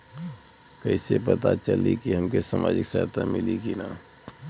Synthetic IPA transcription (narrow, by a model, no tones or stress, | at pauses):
kɐisepət̪at͡ʃəlikiɦɐmkesaːmʔa̰ːd͡ʒɪksaːt̪ʰamɪlikinaː